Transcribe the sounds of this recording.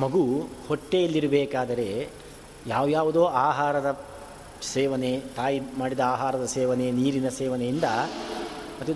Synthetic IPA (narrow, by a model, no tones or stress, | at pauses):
mɐɡuhoʈːejɐlːiɾɐbɛːkaːd̪ɐɾe̞ː | jaːʋjaːʋud̪oːaːɦaːɾɐd̪ɐ | sɛːʋɐne̞t̪aːjimaːɽid̪ɐaːɦaːɾɐd̪ɐsɛːʋɐne̞niːɾinɐsɛːʋɐnejind̪ɐ | mɐt̪ːu